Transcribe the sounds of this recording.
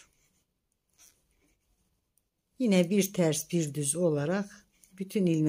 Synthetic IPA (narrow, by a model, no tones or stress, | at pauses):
jinæbiɾt̪ʰæɾsbiɾd̪yzo̞lˠɑɾɑχ | b̥yt̪ʰynilm